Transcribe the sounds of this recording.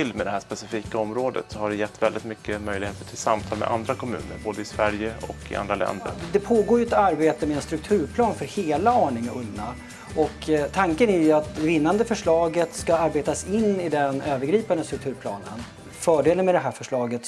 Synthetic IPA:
ɪlːmɛd̪ɛhæːʂpɛsɪfiːkaɔmɾoːd̪ə̰t̪sɔhaɖɛjɛt̪ːvɛld̪ɪt̪mʏkːəmœjlɪɡheːt̪əʈʰɪlsamt̪ʰɑːlmɛ̰ʔa̰nd̪ɾakʰɔmʉ̟ːnəɾboːd̪əɪsvæɾjəɔ̰kɪ̰ʔa̰nd̪ɾalɛ̰nd̪ə̰ɾd̪ɛpʰoːɡoːɾjɵɛt̪aɾbeːt̪əmɛɛnst̪ɾɵk̚t̪ʰʉ̟ːɾpʰlɑːnfœɾheːlaɑːɳɪŋɵnːa | ɔkt̪ʰːaŋkənæɾjɵat̪ɛvɪnːand̪əfœʂɭɑːɡət̪skaaɾbeːt̪asɪnːɪd̪ɛnøːvəɾɡɾiːpand̪əst̪ɾɵk̚t̪ʰʉ̟ːɾpʰlɑ̰ːnə̰n | fœːɖeːlənmɛd̪ɛɦæːɾfœʂɭɑːɡət̪

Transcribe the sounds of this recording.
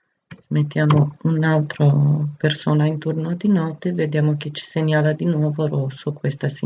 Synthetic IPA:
smet̪ːjaːmounalt̪ɾopersoːnaint̪urnod̪inɔt̪ːeved̪jaːmok̟et͡ʃi̥seɲaːlad̪inwɔːvorosːokwest̪asi

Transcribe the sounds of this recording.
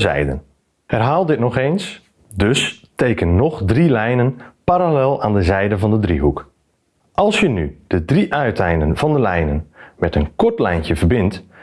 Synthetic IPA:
zɛ̰jdə̰n | ɛrɦaːlˠdɪtnɔxeːns | døsteːkənːɔχdrilɛjnənpaɾalɛlˠaːndəzɛjdəvɑndədrḭɦuk | ʔɑlˠsjənyd̥ədriʔœɥtʰɛjnənvɑndəlɛjnənmɛtənkɔɹtlɛjncjəvərbɪnt

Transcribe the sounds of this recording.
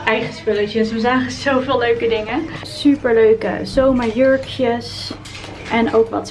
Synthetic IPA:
ʔɛjχəspɵlət͡ʃəsʋəzaːχəzowvɪːløɥkədɪŋəsypəɹløɥkə̰zowmaɹjøɹkjəs | ʔɛnowkʋɑ̰t

